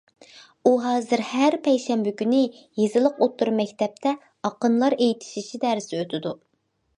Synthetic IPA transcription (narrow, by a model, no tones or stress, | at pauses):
uɦɑːzɨɾhæɾpʰɛjʃɛmbɪkʲynɪ | jezɨlˠəqot̪ʰːuɾmɛkʲt̪ʰɛp̚t̪ʰɛ | ɑqənlˠɑɾejit̪ʰi̥ʃit͡ʃʰid̪æɾɪsɪøt̪ʰɪd̪u